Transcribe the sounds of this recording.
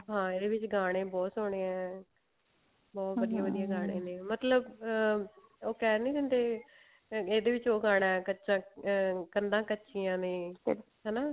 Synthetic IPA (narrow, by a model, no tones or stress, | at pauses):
ɦãːeːd̪eːʋɪt͡ʃɡaːɽ̃ẽːbɔːt̪soːɽ̃ẽːɛ̃ː | bɔːt̪ʋəd̪ijãːʋəd̪ijãːɡaːɽ̃eːnẽːmət̪ləb | oːkɛːɾnĩːd̪ənd̪eː | eːd̪eːʋɪt͡ʃoːɡaːɽ̃aːɛkəːt͡ʃʃãːkənd̪ãːkətːʃiːãːneː | ɦɛːnaː